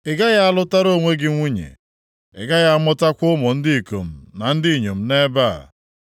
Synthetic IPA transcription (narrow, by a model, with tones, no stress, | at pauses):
ɪ˨ɡa˦ja˦a˦˨lʊ˦ta˦ɾo˦˨ŋʷe˦ɡɪ˦ŋʷu˦ɲḛ˨ | ɪ̰˨ɡa˦ja˦a˦˨mʊ˦ta˦kʷʊ˦mɔ˨n̩˦dɪ˦i˨ko̰˨m̩˨na˨n̩˦dɪ˦˨ɲo˨m̩˦ne˦ba̰˦˨